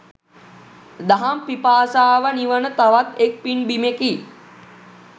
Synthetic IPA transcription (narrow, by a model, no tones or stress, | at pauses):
d̪aɦampipaːsaːʋəniʋənət̪aʋat̪ek̚pinbimeki